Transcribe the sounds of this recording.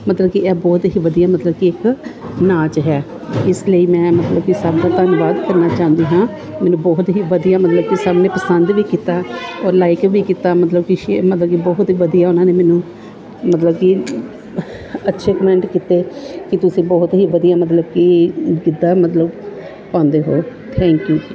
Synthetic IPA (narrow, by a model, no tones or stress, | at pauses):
mət̪ləbkiɛːbɔːt̪ɦiːʋəd̪ijaːmət̪ləb̚kiɪknaːt͡ʃɦɛː | ɪsləiːmɛ̃ːmət̪ləbkisaːbd̪ãːt̪ənʋaːd̪kəɾnaːt͡ʃãːnd̪iːɦãː | mɛ̃ːnũːbɔːt̪ɦiːʋəd̪ijaːmət̪ləb̚kisaːbneːpəsənd̪ʋiːkiːt̪aːɔːɾlaːɪkʋiːkiːt̪aːmət̪ləbkiʃmət̪ləbkibɔːɦt̪iːʋəd̪ijaːʊnãːneːmɛːnũː | mət̪ləbki | ətːʃʰeːkəmɛ̃ɳʈkɪt̪eːkɪt̪ʊsĩːbɔːt̪ɦiːʋəd̪ijaːmət̪ləb̚kiːɡɪd̪ːaːmət̪ləb | pãːnd̪eːɦoːt̪ʰɛ̃ːŋkjuː